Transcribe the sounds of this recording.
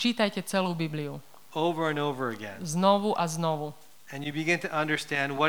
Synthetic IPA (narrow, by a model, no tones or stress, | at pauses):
t͡ʃiːt̪ajcɛt͡sɛluːbibliu | oʊvə˞ɨ̃noʊvə˞ɨɡɛ̰̃nznɔʋuʔaznɔʋu | ɨ̃njɨbiɡɪ̃ntʰɨʔʌ̃ndə˞stæ̃ndwʌ